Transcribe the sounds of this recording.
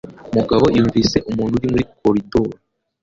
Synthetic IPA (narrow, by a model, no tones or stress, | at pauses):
muɡaβo̞juːɱviːse̞ʔumuːnhuɾimuɾikoɾidoɾi